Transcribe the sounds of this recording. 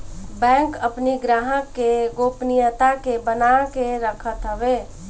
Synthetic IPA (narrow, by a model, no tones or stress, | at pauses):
bɛ̃ːŋkəpniɡɾaɦəkːeɡoːpnijət̪akebənakeɾəkʰət̪ɦəbeː